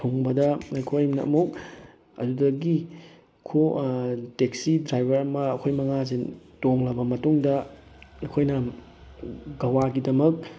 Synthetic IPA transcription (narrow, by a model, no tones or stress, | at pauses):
tʰuŋbɐdɐɐkʰojmnɐɐ̰mɐw | ɐ̰dudɐɡi | kʰotek̚sidɾajbʱɐɾɐmɐːkʰojmɐŋazetoŋlɐbɐmɐtuŋdɐ | ɐkʰojnɐ | ɡɐwaɡidɐmɐk̚